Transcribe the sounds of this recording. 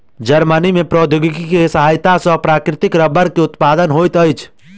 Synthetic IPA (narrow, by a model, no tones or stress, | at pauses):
d͡ʒəɾmənimepɾɔːd̪ʱoɡikikesəɦajt̪asɔpɾaːkɾɪt̪ɪkɾəbəɾkeʊt̪pad̪ənɦot̪əjt͡ʃʰ